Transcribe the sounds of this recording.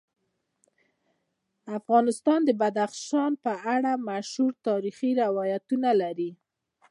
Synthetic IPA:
afɣɑnɪst̪ɑnd̪əbad̪axʃɑnpəaɽamaʃhuɾt̪ɑɾixiɾɪwɑjat̪unalaɾi

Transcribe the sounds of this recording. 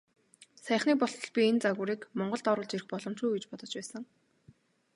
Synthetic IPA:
sæːχniːk̚pɔɬt̪ɞ̆ɮpʲient͡saɣʊːɾiːkmɔɴɢɞ̆ɮt̪ɔɾʊːɮt͡ɕerɘ̆xpɔɮɞ̆m̥t͡ɕ̪ujɡet͡ɕpɔt̪ɞ̥̆t͡ɕpæːsə̆ŋ

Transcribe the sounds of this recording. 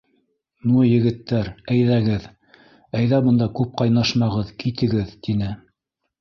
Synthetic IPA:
nujɘ̆ɡɘ̆t̪ːæɾæjðæɡɘð | æjðæbɤ̆nd̪ɑkʉp̚qɑjnɑʃmɑʁɤðkit̪ɘ̆ɡɘðt̪inɘ

